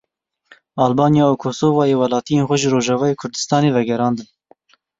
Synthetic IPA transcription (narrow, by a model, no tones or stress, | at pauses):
ɑːlbɑːnjɑːokʰoːsoːvɑːjeːwɛlɑːt̪ijeːnxʷɛʒəɾoːʒɑːvɑːjeːkʰʊɾd̪ɨ̥st̪ɑːneːvɛɡɛɾɑːnd̪ɨn